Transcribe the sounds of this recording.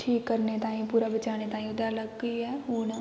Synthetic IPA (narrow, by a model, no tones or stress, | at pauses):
ʈʰiːkːəɾnet̪ãːĩpuːɾaːbət͡ʃaːñet̪ãːĩʊd̪aləɡːiɦɛːɦuːna